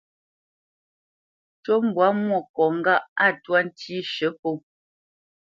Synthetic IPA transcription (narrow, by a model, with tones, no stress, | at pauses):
t͡ʃo˦m̩˦bwa˨˦mwɔ˦˨kɔ˨ŋ̩˦ɡa˦˨ʔa˦˨twa˦n̩˦tʰi˦ʃə˨˦po˦˨